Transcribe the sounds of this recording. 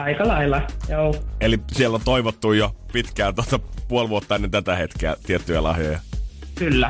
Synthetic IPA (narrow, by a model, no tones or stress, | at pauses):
ɑikɑlɑilːɑjuːelisielont̪oiʋot̪ːujjopit̪kæːt̪uot̪ɑpuolʋuot̪ːɑenːent̪æt̪æhet̪keæ̰t̪iet̪ːyjælɑ̰hjojɑkylːæ